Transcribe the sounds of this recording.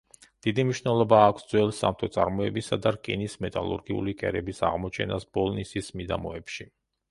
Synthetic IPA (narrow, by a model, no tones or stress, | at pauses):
d̪̥id̪imniʃnɛlˠɔbaːkʷʰsd̪zwɛlˠsa̰mt̪ʰɔt̪sʼaɾmɔɛbisad̪aɾkʼḭnismɛt̪ʼalˠṵɾɡiṵlikʼɛɾɛbisa̰ʁmɔt͡ʃʰɛnasbɔlˠnisismid̪amɔɛpʃi